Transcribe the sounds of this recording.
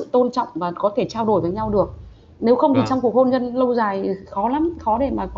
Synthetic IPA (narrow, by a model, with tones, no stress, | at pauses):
ɨ̰˧˨t̪o˧nt͡ɕɔ̰˧˨wŋ͡mvaː˨˩kɔ˨˦t̪ʰe˧˩t͡ɕaː˧wɗo˧˩jvəː˨˦jɲa˧wɗɨ˨˩ək̚ | ne˨˦wxə˧wŋ͡mt̪ʰi˨˩t͡ɕɔ˧wŋ͡mku˨˩ək̚ho˧nzə˧nlə˧wzaː˨˩jxɔ˨˦la˨˦mxɔ˨˦ɗe˧˩maː˨˩kɔ˨˦